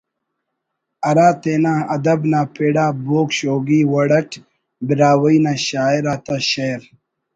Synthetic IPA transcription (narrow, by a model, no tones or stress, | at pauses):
ɐɾaːt̪eːnaːɐd̪ɐbnaːpʰeːɽaːboːkɕoːɡiːwɐɽɐʈ | biɾaːwɐinaːɕaːiɾaːt̪aɕɐɾ